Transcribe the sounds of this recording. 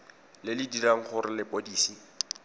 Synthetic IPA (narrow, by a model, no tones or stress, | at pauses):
lɪlɪdiraŋ̩χʊrɪlɪpʼodiːsi